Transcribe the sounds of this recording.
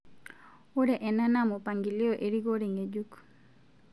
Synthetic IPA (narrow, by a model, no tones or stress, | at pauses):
oɾeʔɛnanamopaŋɡilioʔeɾiɡoɾeŋed͡ʒuk